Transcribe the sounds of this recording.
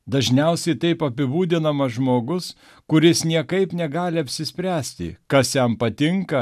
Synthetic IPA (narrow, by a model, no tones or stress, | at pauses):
d̪ɐʒʲnʲɛʊsʲɛɪt̪ɐɪpɐpʲɪbuːd̪ʲɪnɐmɐʒmoːɡʊs | kʊɾʲɪsnʲiɛkɐɪpnʲɛɡɑːlʲɪɐpʲsʲɪsʲpʲɾʲæːsʲt̪ʲɪ̰kɐsjɛmpɐt̪ʲɪŋkɐ